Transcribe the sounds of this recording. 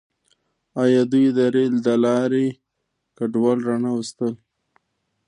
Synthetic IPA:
ɑjɑd̪ujd̪əɾeld̪əlɑɾe | kaɖwɑlɾɑnawəst̪əl

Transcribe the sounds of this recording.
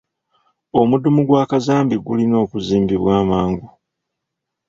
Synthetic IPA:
o̞mudumuɡwaːkazaːmbiɡulino̞ːkuziːmbiβwaːmaːŋɡu

